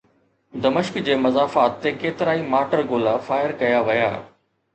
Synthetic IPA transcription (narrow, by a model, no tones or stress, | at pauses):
d̪ɐmɪʃkd͡ʑeːmɐzaːfaːt̪ːekeːt̪ɪɾaːimaːʈəɾɡoːlafaːɪəɾkɐjaʋɐja̰ː